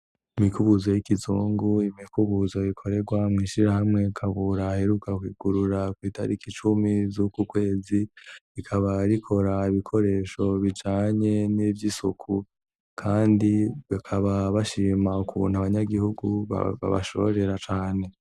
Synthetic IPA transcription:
imikuβuzo̞jikizuːŋɡuimikuβuzojikʰo̞ɾe̞ɡwamŋiːʃiɾahamŋe̞kʰaβuɾahe̞ɾukakwiːɡ̥uɾuɾakwiːtʰa̰ɾikit͡ʃumizukukwe̞ːziikʰaβaɾikʰo̞ɾaiβikʰo̞ɾe̞ːʃo̞βid͡ʒaːɲe̞nivjisukʰu | kʰaːndiβakʰaβaβaʃiːmaukuṵn̥haβaɲaɡihuɡuβa̰βa̰βa̰ʃo̞̰βɾe̞ɾat͡ʃaːne̞

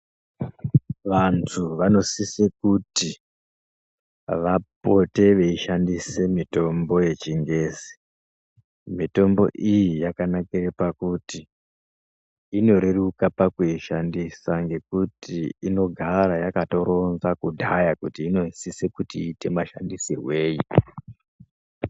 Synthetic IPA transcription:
ʋantʰuʋano̞sisekuti | ʋapo̞te̞ʋe̞iʃandise̞mito̞mbo̞je̞t͡ʃiŋɡe̞ːzi̥ | mito̞mbo̞̰ʔijijakanakirepakuti | ino̞ɾe̞rukapakuiʃandisaŋɡe̞kutiino̞ɡʱaɾajakato̞ɾo̞nzakudʱajakutiːno̞isisekutiːte̞maʃa̰ndisiwe̞ːji

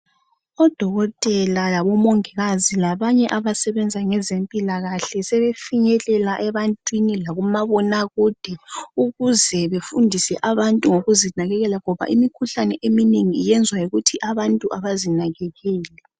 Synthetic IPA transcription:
ɔd̥ʱɔɣɔtʼɛlalaβɔmoŋiɣazilaβaɲɛʔaβasɛβɛnd͡zʱaŋɛzempʼilaɣaɬɛsɛβefiɲɛlɛlaʔɛβantʼwinilaɣumaβɔnaɣuːd̥ʱɛuɣuzɛβefundʱisɛʔaβantʼuŋoɣuzinaɣɛɣɛlaŋɔβa̰ʔimikʰuɬanɛʔemineŋiːjɛnd͡zʱwajiɣutʰiʔaβantʼuʔaβazinaɣɛɣɛːlɛ

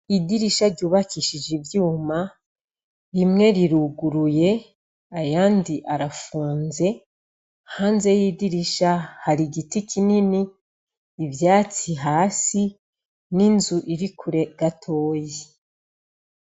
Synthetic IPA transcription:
idiɾiʃaɾɟuːβakiːʃid͡ʒivjuːma | ɾimŋe̞ɾiɾuɡuɾuje̞ | ajaːndiʔaɾafuːnze̞ | haːnze̞jidiɾiʃahaɾiɡitikininiː | vjaːt͡siɦaːsi | ninzuʔiɾikʰuɾe̞ɡ̥atʰo̞ːje

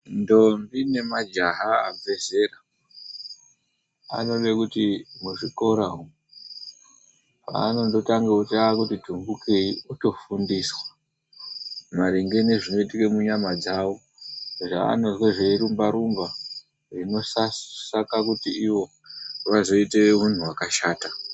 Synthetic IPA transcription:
ndo̞mbine̞mad͡ʒaɦaavʱe̞ze̞ra | a̰no̞ɗe̞kutimuʐiko̞ɾaɦu | pa̰ːno̞ndo̞taŋɡeutaakutidʱumbukeiuto̞fundiːswa | maɾeŋɡe̞niʐino̞itikemuɲamad͡zawo̞ | ʐa̰ːno̞zweʐeiɾumbaɾumba | rino̞sassakakutiiwo̞ | ʋazo̞ite̞mun̤uwakaʃaːta

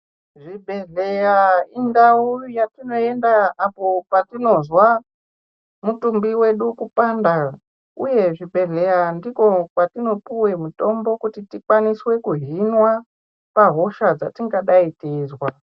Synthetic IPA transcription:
ʐibʱe̞ɮejaindaujatino̞e̞ndaapopatino̞zwa | mutumbiwe̞ɗukupanda | uje̞ʐibʱe̞ɮe̞jandiko̞kwatino̞puwe̞muto̞mbo̞kutitikwaniswe̞kuɦinwa | paɦo̞ʃad͡za̰tiŋɡaɗaiteːzwa

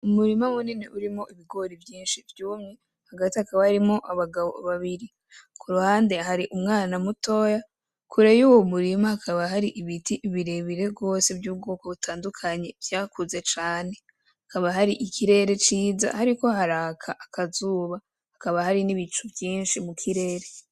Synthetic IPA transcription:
umuɾimamunineʔuɾimo̞ʔiβiɡo̞ɾivjiːnʃivjuːmŋe̞ | haɡatiakaβahaɾimo̞ʔaβaɡaβo̞̰βaβiɾi | kʰuɾuhaːnde̞ɦaɾiʔumŋaːnamuto̞ːja | kuɾe̞juːwomuɾimahakʰaβaɦaɾiʔiβitiʔβiɾe̞βiɾe̞bɡo̞se̞bjuːb̚ɡo̞ːkoβutʰaːndukʰaɲe̞vjaːkuze̞t͡ʃaːne̞ | hakaβaɦaɾiʔikʰiɾe̞ɾe̞t͡ʃiːza̰haɾiko̞haɾaːkʰaʔakʰazuːβa | hakaβahaɾiniβit͡ʃuvjiːnʃimukʰiɾe̞ɾe

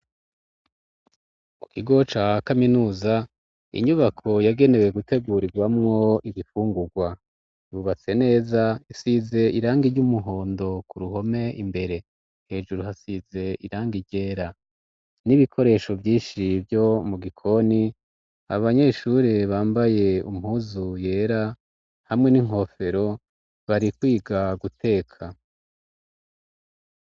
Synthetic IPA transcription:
kukiɡo̞t͡ʃakaminuːza | ḭɲuβakʰo̞jaɡe̞ne̞we̞ɡute̞ɡuːɾiɡwamŋo̞iβifuːŋɡuɡwa | juβat͡se̞ne̞ːzaisize̞iɾaːŋɡiɾɟumuɦo̞ːndo̞kuɾuɦo̞me̞ʔimbe̞ɾe̞ | he̞ːʒuɾuɦasize̞iɾaːŋɡiɾɟe̞ːɾa | niβikʰo̞ɾe̞ːʃo̞vjiːnʃivjo̞muɡikʰo̞ni | a̰βaɲe̞ʃuɾeβaːmbaje̞um̥huzuje̞ːɾa | hamŋe̞niŋho̞fe̞ɾo̞ | βaɾikwiːɡaɡutʰe̞ːkʰa

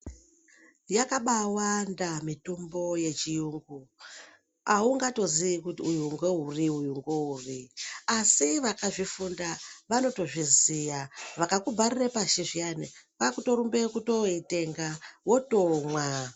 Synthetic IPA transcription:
jakaɓawandamitombo̞je̞t͡ʃijuŋɡu | auŋɡato̞ziikutujuŋɡweɦuriujuŋɡeuːriasiʋakaʐifundaʋano̞to̞ʐizijaʋakakubʱaɾirepaʃiʐianikakuto̞ɾumbe̞kuto̞ite̞ŋɡawo̞tomwa

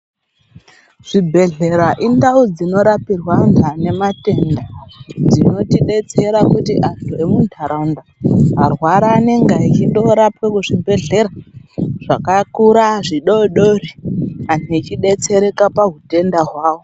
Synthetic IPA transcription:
ʐ̥ibʱe̞ɮe̞ɾaʔindaud͡zino̞ɾapirwandʱane̞mate̞ndad͡zino̞tiɗe̞t͡se̞ɾakutiʔantʰue̞mundʱaɾaundaɦarwaɾaːne̞ŋɡait͡ʃiɗo̞ɾapekuʐibʱe̞ɮe̞ɾaʐ̥akakuɾaʐiɗoɗoriantit͡ʃiɗe̞t͡se̞ɾe̞kapaɦute̞ndaɦwaːwo

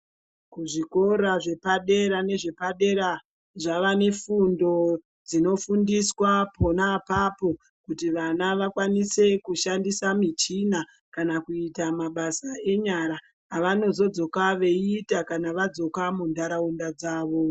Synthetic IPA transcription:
kuʐiko̞ɾaʐe̞paɗe̞ɾane̞ʐe̞paɗe̞ɾa | ʐaʋane̞fundo̞ | d͡zino̞fundiswapo̞napapo̞ | kutiʋanaʋakwanise̞kuʃandisamit͡ʃina | kanakuitamaɓasae̞ɲaɾaː | ʋano̞zo̞d͡zo̞kaʋe̞itakanaʋad͡zo̞kamundʱaɾaundad͡zaːʋo̞

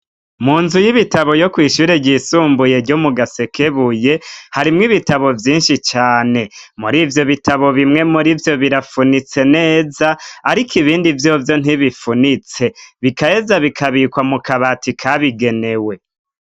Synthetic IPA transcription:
muːnzujiβitaβo̞jo̞kwiːʃuːɾeɟisuːmbuje̞ɾɟomuɡase̞kʰeβuje̞haɾimŋiβitaβo̞vjiːnʃit͡ʃaːne̞muɾiːvjo̞βitaβo̞βimŋe̞muɾivjo̞βiɾafunit͡se̞ne̞ːzaaɾikʰiβiːndivjo̞vjo̞n̥iβifunit͡se̞βikaezaβikʰaβikwamukʰaβatikʰaβiɡe̞ne̞we̞

